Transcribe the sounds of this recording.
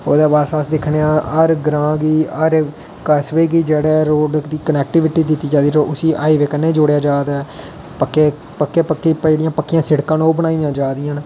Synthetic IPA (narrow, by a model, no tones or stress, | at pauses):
oːd̪eːbaːsaːsd̪ɪkʰneːãːəɾɡɾãːɡiːəɾ | kəsʋeːɡiːd͡ʒeːɽɛːɾoːɖd̪iːkənɛːk̚ʈɪʋɪʈiːd̪ɪt̪ːiːd͡ʒaːd̪iːɾoːʔʊsiːʔaːiːʋeːkənẽːd͡ʒoːɽejaːd͡ʒaːd̪aː | pəkːeː | pəkːeːpəkːeːd͡ʒeːɽijãːpəkːɪjãːsɪɽkãːnoːbənaːijãːd͡ʒaːd̪ijãːn